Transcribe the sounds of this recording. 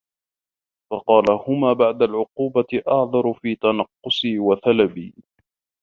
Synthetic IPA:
fɑqɑːlahʊmaːbaʕd̪alʕʊquːbatɪʔɑʕðˤɑɾˤʊfiːt̪anɑqːʊsiːwaθalabḭː

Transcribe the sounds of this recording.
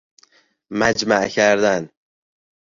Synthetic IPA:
mæd͡ʒmæʔcʰæɾd̪æn

